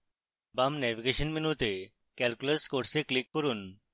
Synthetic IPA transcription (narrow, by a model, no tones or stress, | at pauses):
bamnɛʋiɡeɕənminut̪e | kɛlkuləɾskoʈseklikːəɾuːn